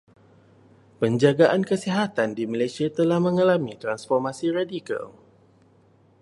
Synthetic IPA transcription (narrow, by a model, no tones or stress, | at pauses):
pəɲd͡ʒaɡaʔankəsiɦat̪andimalajsiat̪əlahmə̃ŋalamit̪ɾansfɔrmãsiradika̰l